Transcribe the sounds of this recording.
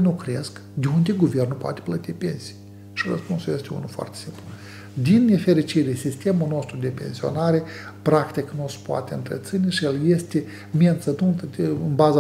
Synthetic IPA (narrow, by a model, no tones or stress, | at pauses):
nukɾesk | d̪ʲeund̪ʲeɡuve̞rnupoat̪ʲe̥plət̪ipe̞nsi̥j | ʃirə̰spunsuje̞st̪ʲeṵnufoa̰rt̪ʲe̥simplu | d̪inːe̞feɾit͡ʃiɾesist̪e̞mulno̞st̪ɾud̪e̞pe̞̰nsio̞̰naɾe̞ | pɾakt̪iknuspoa̰t̪ʲeɨ̰nt̪ɾḛt̪sinʲeʃijelje̞st̪e | miant̪sət̪unt̪ɨnbaza